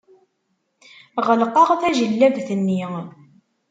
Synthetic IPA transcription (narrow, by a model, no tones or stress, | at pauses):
ʁəlqɑʁθæʒəlːævθənːi